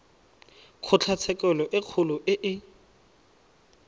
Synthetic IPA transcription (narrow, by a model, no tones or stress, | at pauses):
q͡χʰʊt͡ɬʰat͡sʰɛkɛlɔʔɪq͡χʰʊlʊʔɪʔɪ